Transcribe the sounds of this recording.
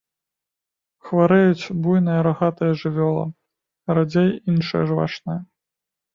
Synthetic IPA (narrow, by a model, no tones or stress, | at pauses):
xvaɾɛjut͡sʲbujnɨjɐɾaɣat̪ɨjɐʐɨvʲɔlˠɐ̰ | ɾad͡zʲɛjinʂɨjɐ̰ʐva̰t͡ʂnɨjɐ